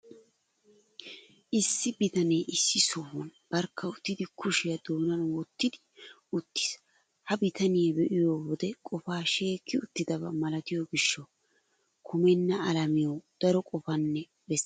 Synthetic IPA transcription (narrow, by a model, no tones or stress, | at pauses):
ʔɪsːɪbɪt̪ɐne̞ːʔɪsːɪsɔhʊnb̥ɐɾkʰːɐʊt̪ːɪd̪ɪkʰʊʃɪjɐd̪oːnɐnwɔt̪ːɪd̪ɪ | ʊt̪ːɪ̥s | hɐbɪt̪ɐnɪjɐbɛʔɪjoːwɔd̪ɛkʼɔfaːʃe̞ːkːɪʊt̪ːɪd̪ɐbɐ̰mɐlɐt̪ɪjoɡɪʃːɔ | kʰʊmɛnːɐɐlɐmɪjod̪̥ɐɾɔkʼɔfɐnːɛ | bɛs